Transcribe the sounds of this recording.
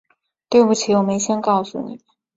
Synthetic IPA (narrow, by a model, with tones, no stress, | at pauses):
t̪we˥˧ɪpu˥˩t͡ɕʰi˨˥wɔ˨˩me˧˥ɪɕjɛ˥nkɑ˥˩ʊsṵ˥˩nḭ˨˩ə˦n